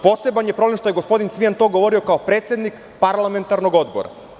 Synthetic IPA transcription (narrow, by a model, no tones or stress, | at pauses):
po̞sebanjepɾoblemʃt̪oje̞ɡospo̞d̪int̪sʋijant̪o̞ːɡoʋo̞ɾio̞kaopɾe̞ːt̪sje̞d̪nik | paɾlˠame̞nt̪aɾno̞ɡo̞d̪bo̰ɾa̰